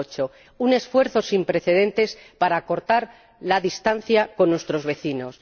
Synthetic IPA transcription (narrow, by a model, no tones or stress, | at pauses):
ot͡ʃo̞ | une̞sfwe̞ɾθo̞simpɾe̞θe̞ðe̞nt̪e̞spaɾako̞ɾt̪aɾ | laðist̪an̟θjako̞nːwe̞st̪ɾo̞zβe̞θino̞s